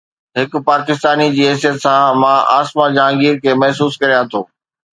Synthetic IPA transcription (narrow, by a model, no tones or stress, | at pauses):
ɦɪkʊ̆paːkɪst̪aːnid͡ʑiːɦɛs̬ijət̪sãmãʔaːsmãd͡ʑãːŋɡiːɾkʰeːmɐɦsuːskɐɾijãt̪ʰoː